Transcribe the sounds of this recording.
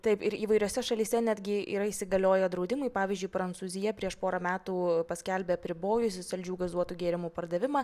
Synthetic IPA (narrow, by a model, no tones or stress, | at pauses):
t̪ɐɪpɪɾiːʋɐɪɾʲoːsʲɛʃɐlʲiːsʲɛnʲæːd̪ʲɡʲɪʔḭːɾɐiːsʲɪɡɐlʲoːjɛd̪ɾɐʊd̪ʲɪmʊɪpɑːʋʲiːzʲd͡ʒʊɪpɾɐntsuːzʲɪjɛpʲɾʲiɛʃpoːɾɐmʲæːt̪uːpɐsʲkʲɛlʲbʲeːɐpʲɾʲɪboːjʊsʲɪsʲɐlʲd͡ʒʲuːɡɐzuɔt̪uːɡʲeːɾʲɪmuːpɐrd̪ɐʋʲɪmɑ